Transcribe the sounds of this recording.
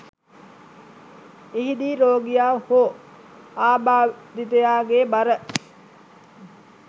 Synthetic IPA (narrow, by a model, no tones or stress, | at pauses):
iɦid̪iːɾoːɡijaːho | aːbaːd̪it̪əjaːɡeːbaɾə